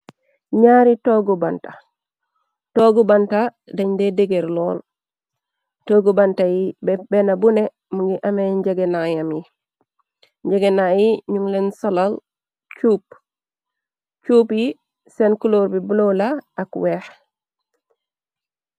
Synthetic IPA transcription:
ɲaːɾitoːɡubanta | toːɡubanta | daɲdedeɡeɾloːl | toːɡubantajibbenabune | muŋɡiʔameɲɟeɡenajamji | ɲɟeɡenajiɲuŋlensolal | t͡ʃuːp̚ | t͡ʃuːpji | senkuloːɾbibulolaakweːh

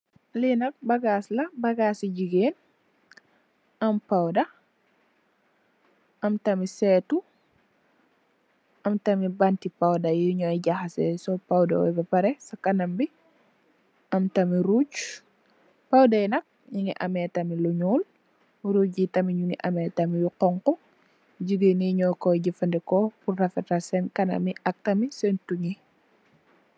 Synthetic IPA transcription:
linɐk̚bɐɡaːslɐbɐɡaːsiɟiɡeːn | ɐmpawdɐ | ɐmtɐmisɛtu | ʔɐmtɐmibantipawdajuɲɔɟaxasɛ̰sɔpawdɐ̰wɛ̰bɐpɐɾɛsɐkːɐnɐmbi | ɐmtɐmiɾuː | pawdajnɐk̚ɲuŋiʔɐ̰mɛtɐmiluɲuːl | ɾuɟjitɐmiɲuŋiʔa̰mɛtamijuqɔŋqu | d͡ʒiɡiniɲɔkɔɟifɐndɛkɔpurːɐfɛtasɛnkɐnɐ̰miɐk̚tɐmisɛntuɲi

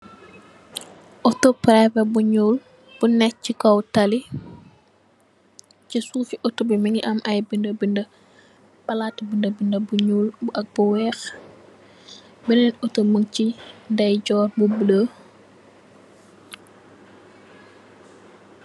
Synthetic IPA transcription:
ʔɔtopɾɛvɛbuɲuːl | b̥unɛcikɔwtali | cisuːfiʔɔtobimiŋiʔɐmʔɐjbindəbində | bɐlatbindəbindɐbuɲuːlbuʔɐk̚buwɛːx | binɛnɔtoməŋcindɐjɟɔːrbubələ

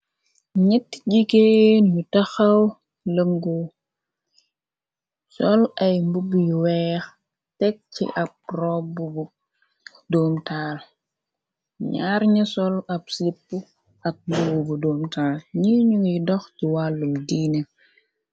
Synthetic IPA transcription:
ɲɛtːɟikeːnutɐxɐw | ləŋɡu | sɔlɐjmbubujwɛx | tɛk̚t͡ʃḭʔɐk̚rɔbubu | doːmtaːl | ɲaːɾɲɐsɔlɐpsipːu | ɐk̚luwbudoːmtaːlɲiɲuŋjdɔxciwalːumdiːne

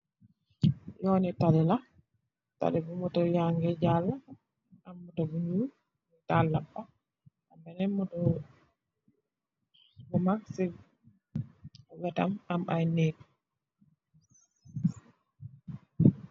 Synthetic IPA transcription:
jɔnitalɛla | ta̰ɗɛbumɔtɔjaŋɡɛd͡ʒalːa | amːutɔɡuɲu | mtalːaɓɔ | ʔambɛnɛmɔtɔ | bɔmaksɛ | wɛtamamajneːku

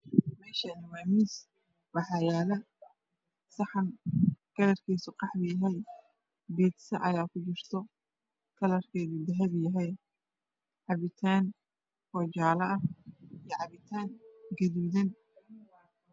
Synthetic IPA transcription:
mɛːʃɐnɪwaːmiːs | wɑħɑjaːlɐ | sɑħɑnɡ̥ɐlɐrkʰiːsʊqɑħbɪjɐɦɛj | bɛːd̪sɐʔɐjaːkʰʊt͡ʃɪrt̪ʰɔ | kʰɐlɐrkʰɛːðud̪ɐɦɐβjɐɦɛj | ʕɑβɪt̪ʰaːn | fɔt͡ʃaːlɐɐijɐʕɑβɪt̪ʰaːŋɡɐðuːðɐn

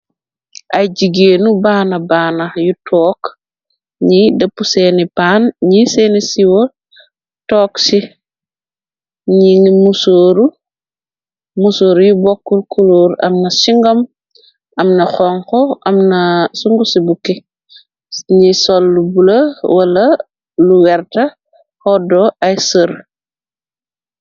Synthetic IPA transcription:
ʔɐjɟiɡeːnubaːnɐbaːnajutʰɔːk | ɲidɐpːuseːnipanɲiseːnisiwo | tɔːksi | ɲiŋimusoːɾu | musoːɾjubɔkːurkuluːɾɐ̰mnɐsiŋɡɐm | ɐmnɐxɔŋkɔɐmnɐsuŋɡusibukːi | ɲisɔlːubulɐwɐlɐ | luwɛrtɐ | hɔdɔɐjsər

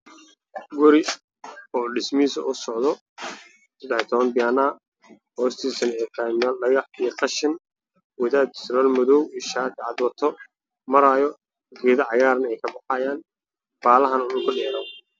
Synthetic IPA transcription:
ħɡɔɾɪ | ɔːɖɪsmiːsɐʔʊsɔʕðɔ | sɐd̪ɛħɪt̪ʰɔβɐnbɪjaːnaː | hɔːst̪ʰiːsɐnɛt̪ʰajmnɐɖɐɣɑħiqɑʃɪn | wɪðaːd̪̚sɾalmʊðɔwiʃaːt̪ʰɪʕɑd̪wɐt̪ʰɔ | mɐɾaːjɔ | ɡɛːðɐʕɑɣaːɾnɐɛjkʰɐbɑħajaːn | b̥aːlɐɦɐnʊnʊkʰʊɖɛːɾɔ

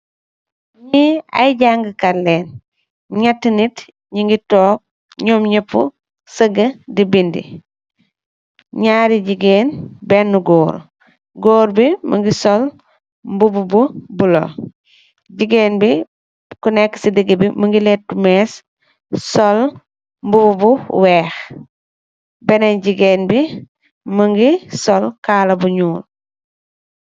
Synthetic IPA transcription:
ɲia̰jɟaŋɡəkalɛːn | ɲɐtːnit | ɲiŋɡitɔːk̚ | ɲɔːmɲɐpːṵ | səɡədibindḭ | ɲaːɾiɟiɡeːnbɛnːuɡɔːɾ | ɡoːɾbimɐ̰ŋɡisɔl | mbubububulɔ̰ | ɟiɡeːnbi | kunɛkːsidiɡəbimɐŋɡilɛt̚tːumɛːs | sɔl | mbububuwɛːx | bɛnɛɲɟiɡeːnbi | mɐŋɡisɔlkaːlɐbuɲuːl

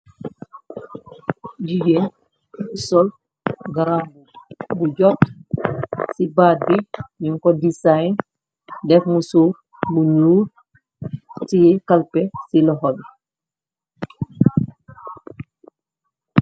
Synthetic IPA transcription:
d͡ʒid͡ʒen | sɔl | ɡaɾambubud͡ʒɔt | sibadiɲiŋkɔdisajn | dɛfmusu | bunuː | tijɛkalpɛsilɔɦɔbɛ

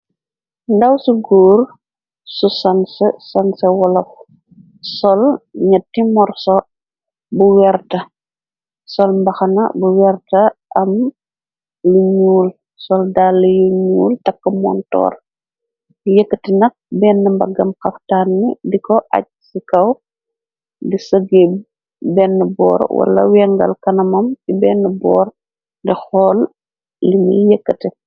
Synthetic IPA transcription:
ndɐwsuɡoːr | susɐnsəsɐnsɐwɔlɐf | sɔlɲɐtːimɔrsɔ | buwɛrtɐ | sɔlmbɐxɐnɐ̰buwɛrtɐʔɐm | liɲuːl | sɔldaːlːɐjuɲuːltɐkːɐmɔ̰ntɔ̰ːr | jəkːətɛnɐk̚bɛːnːəmbɐɡːɐmxɐftaːnːidikɔʔɐ̰c̚sikɐw | disɐɡeb | bɛnːəbɔ̰ːɾwɐ̰lɐ̰wɛŋɡɐ̰lkɐnɐmɐmkibɛnːəbɔːr | dɛxɔːl | limḭjəkːətɛ

